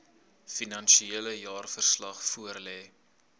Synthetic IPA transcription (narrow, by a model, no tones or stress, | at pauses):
finɐnʃieələjɑːrfərslɐχfuərlɛː